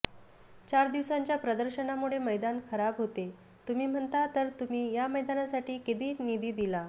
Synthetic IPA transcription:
t͡ɕaɾd̪iʋsãɲt͡ɕjapɾəd̪əɾɕənamuɭeməjd̪ankʰəɾabɦot̪e | t̪um̤iːm̤əɳt̪at̪əɾt̪um̤iːjaməjd̪anasaʈiːkit̪iːnid̪ʱiːd̪ila

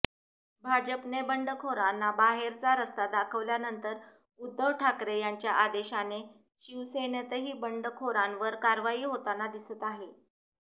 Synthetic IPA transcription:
bʱad͡ʑəpnebəɳɖəkʰoɾanːabaɦeɾt͡saɾəst̪ad̪akʰəʋljanənt̪əɾ | ud̪ːəʋʈʰakɾejaɲt͡ɕjaʔad̪eɕane | ɕiʋsenət̪əɦiːbəɳɖəkʰoɾanʋəɾkaɾʋaiːɦot̪anad̪isət̪aɦe

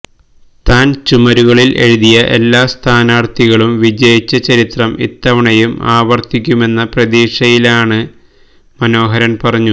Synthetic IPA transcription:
t̪aːnt͡ɕumɐɾuɣɐɭilʔe̞̰ɻuðijɐʔe̞̰lːaːst̪ʰaːnaːrt̪iɣɐɭumʋid͡ʑɐjit͡ɕːɐt͡ɕɐɾit̪rɐmʔḭt̪ːɐʋɐɳɐjumaːʋɐrt̪ikʲːume̞nːɐprɐd̪iːʂɐjilaːɳɨ | mɐno̞ːɦɐɾɐnpɐrɐɲːu

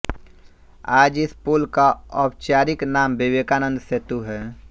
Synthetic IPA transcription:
aːd͡ʒɪspoːlkaɔːpt͡ʃaːɾɪknaːmbɪʋeːkaːnə̃nd̪set̪uɦɛː

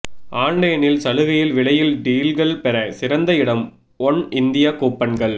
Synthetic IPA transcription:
ʔaːɳɖɐjɐnɪlsɐlɯɣɐjɪlʋɪɭɐjɪlɖiːlɡɐɭpɛɾɐsɪɾɐnd̪ɐɪɽɐm | ɔɳɪnd̪ɪjakuːpːɐnɡɐɭ

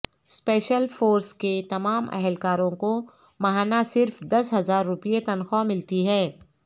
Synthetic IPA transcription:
spɛːʃəlfoːɾsket̪ɐmaːmɛ̰ɦɛlkaːɾõko | mɐɦaːnasɪɾfd̪ɐsɦɐzaːɾːʊpijet̪ɐnxɔmɪlt̪iɦɛː

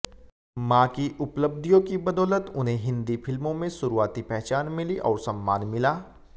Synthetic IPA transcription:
mãːkiʔʊpləb̚d̪ʱijõkibɐd̪ɔːlət̪ʊnɦẽɦɪ̃nd̪ifʰɪlmõmẽsʊɾuaːt̪ipɛɦt͡ʃaːnmɪliʔɔːɾsɐ̃mːaːnmɪlaː

